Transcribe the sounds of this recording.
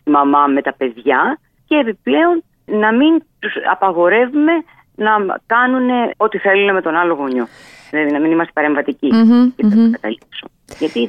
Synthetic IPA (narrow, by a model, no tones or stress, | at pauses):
imɐmɐme̞t̪ɐpe̞ðʝɐ | ceːpiple̞o̞n | nɐmint̪usɐ̰pɐɣo̞ɾe̞vume̞ | nɐkɐnune̞o̞t̪iθe̞luneme̞t̪o̞nɐlo̞ɣo̞ɲo | ðilɐðinɐminimɐst̪epɐɾe̞ɱvɐt̪iciceɐkɐt̪ɐlikso | ʝɐt̪i